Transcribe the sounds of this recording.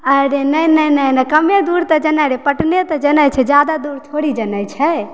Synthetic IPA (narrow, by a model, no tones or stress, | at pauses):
əɾenəjnəjnəjnəkəmed̪uɾt̪ɔd͡ʒənajɾepəʈnet̪ɔd͡ʒənət͡ʃʰɛd͡ʒjad̪ad̪uɾt̪ʰoɽid͡ʒənəjt͡ʃʰɛ